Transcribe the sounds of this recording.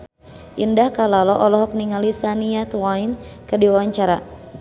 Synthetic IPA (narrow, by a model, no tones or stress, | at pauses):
ʔindahkalalɔʔɔlɔɦɔk̚niŋalisaniat̪wainkɨrdiwawaɲt͡ʃaɾa